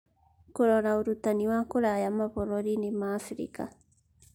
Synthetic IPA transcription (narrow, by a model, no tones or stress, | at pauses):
koɾɔɾauɾut̪aniwakoɾajamaβoɾoɾinemaːfɾḭka̰